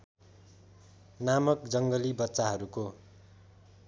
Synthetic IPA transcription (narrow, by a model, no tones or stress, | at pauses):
namʌk̚d͡zʌŋɡʌlibʌtːsaɦʌɾuko